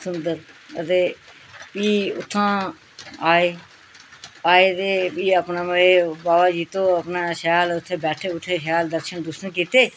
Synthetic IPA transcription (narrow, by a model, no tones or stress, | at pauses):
sʊnd̪əɾət̪eː | piːʊ̰t̪ʰːãː | aːeː | aːeːt̪eːpiːəpnãːməeːbaːʋaːd͡ʒiːt̪õːəpnãːʃjaːlʊt̪ʰːeːbɛːʈʰeːʊʈʰːeːʃjaːld̪əɾʃənd̪ʊʃənkiːt̪eː